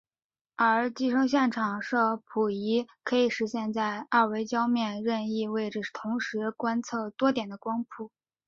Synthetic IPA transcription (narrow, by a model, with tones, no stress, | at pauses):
ə˞˧˥t͡ɕi˥˧ʂɤ˥ŋɕ̬jɛ˥˩nʈ͡ʂʰɑ˨˩ŋʂɤ˥˩pʰu˨˩i˧˥kʰɤ˧˥i˨˩ʂɻ̩˧˥ɕjɛ˥˧nt͡sa˥˧ɪa˥˩we˧˥ɪt͡ɕjɑ˥ʊmjɛ˥˧nɻə˥˧ni˥˧we˥˩ɪʈ͡ʂə˩˥˩t̪ʰʊ˧˥ŋʂɻ̩˧˥kwa˥nt͡sʰɤ˥˩t̪wɔ˥t̪jɛ˨˩nd̪ə˦kwɑ˥ŋpʰu˥˩